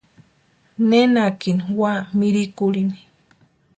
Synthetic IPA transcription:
nenakiniwamiɾikulini̥

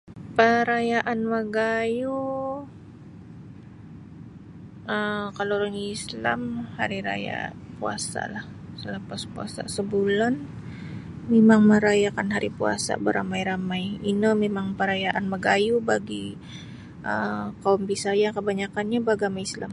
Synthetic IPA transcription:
pəɾajaʔanməɡaju | əkaloɾaŋisla̰mhaɾiɾa̰ja̰pua̰sa̰lah | sələpaspua̰sa̰səbulan | memaŋməɾajakanɦaɾipua̰sa̰bəɾamajɾamajinəmemaŋpəɾajaʔanməɡajubaɡi | ʔə̰kaɔmbisajakəbaɲakanɲabaɡamaisla̰m

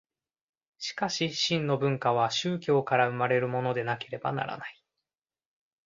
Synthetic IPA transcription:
ɕi̥kaɕiɕĩnːo̞bɯ̟̃ŋkaβ̞aɕɨːkʲo̞ːkaɾaɯ̟maɾe̞ɾɯ̟mo̞no̞d̪e̞nake̞ɾe̞ba̰na̰ɾa̰nai

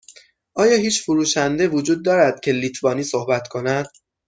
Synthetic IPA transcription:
ʔɒːjɒːhiːt͡ʃfoɾuːʃænd̪evod͡ʒuːd̪̚ːɒːɾæd̪̥̚cʰe̞liːt̪ʰvɒːniːsohbæt̪ʰkʰo̞næd̪̥̚

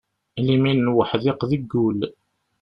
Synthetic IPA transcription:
liminnwəħðɪqðəɡːul

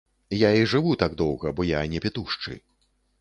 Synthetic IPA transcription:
jaiʐɨvut̪aɡd̪ɔwɣɐbɔjanʲɛpʲɛt̪uʂt͡ʂɨ̰

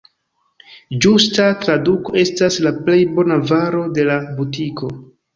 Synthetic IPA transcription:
d͡ʒustatɾaduko̞e̞staslaple̞jbo̞navaɾo̞de̞labutiko̞

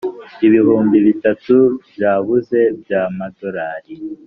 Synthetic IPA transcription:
iβihuːmbiβitatubjaːβuze̞bjaːmado̞ɾaːɾi

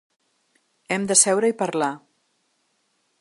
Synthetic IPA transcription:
ɛmd̪əsɛwɾəipəɾla

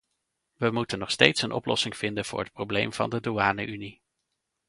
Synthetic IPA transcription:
ʋəmutənːɔχstejtsənʔɔ̰plɔsɪŋv̥ɪndənv̥ʊːɹɦət̚problejmv̥ɑ̰ndədoaːnə̰ʔyni

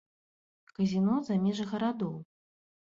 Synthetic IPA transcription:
kɐzʲinɔzamʲɛʐɐɣɐɾad̪ɔw

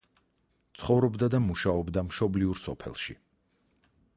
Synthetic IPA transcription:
t̪sʰχɔvɾɔbd̪ad̪amuʃaɔbd̪amʃɔbliuɾsɔ̰pʰɛ̰lˠʃḭ

